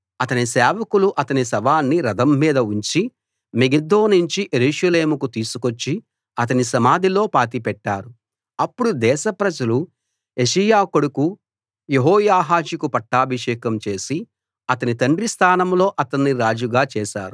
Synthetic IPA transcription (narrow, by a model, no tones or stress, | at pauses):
ɐt̪ɐnisɛːʋɐkuluʔɐt̪ɐnisɐʋaːnːiɾɐd̪ɐmːiːd̪ɐuɲt͡ʃi | meɡed̪oːniɲt͡ʃiʔeɾuːʂɐleːmukut̪iːsukot͡ʃːi | ɐt̪̬ɐnisɐmaːd̪ʱilo̞ːpaːt̪ipɛʈːaːɾu | ɐpːuɽud̪ɛːʃɐpɾɐd͡ʒɐlu | e̞ʃɐjaːkoɽuku | jeɦɔːjaːɦaːʃikupɐʈːaːbʱiʂɛːkɐmt͡ʃe̞ːsi | ɐt̪ɐnit̪ɐɳɖɾist̪ʰaːnɐmlo̞ːʔɐt̪ɐnːiɾaːd͡ʒuɡaːt͡ʃɛːʃa̰ːɾu